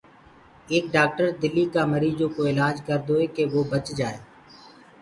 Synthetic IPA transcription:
eːk̚ɖaːk̚ʈəɾd̪ɪlːiːkaːməɾiːd͡ʒõːkoːɪlaːd͡ʒkəɾd̪oːeːkeːʋoːbət͡ʃd͡ʒaːeː

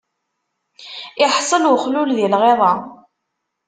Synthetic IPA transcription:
ɪħsˤəlʊχlulðilʁeðˤɑ

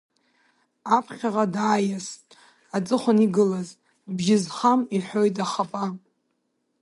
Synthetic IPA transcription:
apʰχʲaʁadaːjastʼ | at͡sʼɨχʷʊniɡɨlaz | bʒɪzχamiħʷojtʼaχapʼa

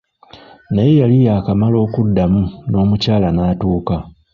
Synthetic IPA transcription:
najejalijaːkamalo̞ːkudːamuno̞ːmucaːlanaːtuːka

